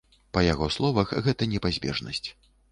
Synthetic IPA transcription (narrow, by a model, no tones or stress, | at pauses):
pɐjaɣɔslˠɔvɐxɣɛt̪ɐnʲɛpazʲbʲɛ̰ʐnɐ̰sʲt͡sʲ